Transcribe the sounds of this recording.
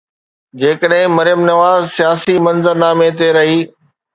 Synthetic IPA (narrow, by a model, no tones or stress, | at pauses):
d͡ʑeːkəɗɦɪ̃mɐɾjəmnɐʋaːzsijaːsimɐ̃nzəɾnaːmẽt̪̬eɾɐɦiː